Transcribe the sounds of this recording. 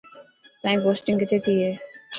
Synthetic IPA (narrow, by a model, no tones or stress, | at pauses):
t̪ãĩːpoːsʈɪ̃ŋkɪt̪ʰeːt̪ʰiːɦeː